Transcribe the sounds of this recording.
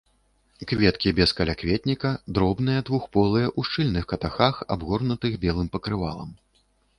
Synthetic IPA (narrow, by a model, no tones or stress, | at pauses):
kvʲɛt̪kʲibʲɛskɐlʲakvʲɛt̪ʲnʲikɐd̪ɾɔbnɨjɐd̪vuxpɔlˠɨjɐʔuʂt͡ʂɨlʲnɨxkɐt̪axaxa̰bɣɔrnut̪ɨɣbʲɛlˠɨmpɐkɾɨva̰lˠɐ̰m